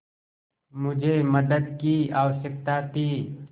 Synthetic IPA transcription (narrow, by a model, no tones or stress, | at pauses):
mʊd͡ʒʱeːməd̪əd̪̚kiaːwəʃək̚t̪aːt̪ʰiː